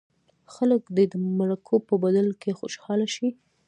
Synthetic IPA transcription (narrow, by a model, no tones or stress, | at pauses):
xaləkd̪ed̪əmaɾakʰopəbad̪alkexo̰ʃhɑlaʃi